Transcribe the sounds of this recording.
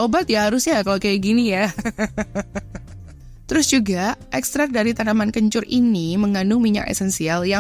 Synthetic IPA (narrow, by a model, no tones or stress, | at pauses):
ʔobat̪̚jahaɾʊsɲakalokajaɡinija | t̪əɾʊsd͡ʒuɡaʔɛkst̪ɾak̚daɾit̪anamankəɲt͡ʃʊrʔiniməŋanumiɲa̰kḛsɛnsialja